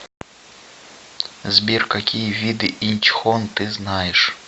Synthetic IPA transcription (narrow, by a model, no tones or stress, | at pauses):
zʲbʲirkakʲijəvʲid̪ɨʔinʲt͡ɕxont̪ɨznajɪʂ